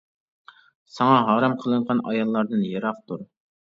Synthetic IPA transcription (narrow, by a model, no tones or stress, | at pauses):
sɑŋɑɦɑːɾɑmqʰəlˠɨɴʁɑnɑ̰jɑlˠːɑɾd̪ɨnjeɾɑqt̪uɾ